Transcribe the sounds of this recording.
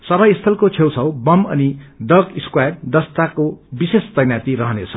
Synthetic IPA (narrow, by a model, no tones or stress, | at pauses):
sʌbajist̪ʰʌlkot͡sʰewt͡sʰʌwbʌmʌ̰niɖʌkiskwajʈ̚d̪ʌst̪akobisest̪ʌjnjat̪iɾʌɦʌnet͡sʰʌ